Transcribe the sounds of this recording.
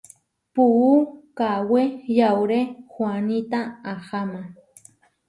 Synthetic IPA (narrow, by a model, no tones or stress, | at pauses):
puukawejawɾehwanit̪aahamã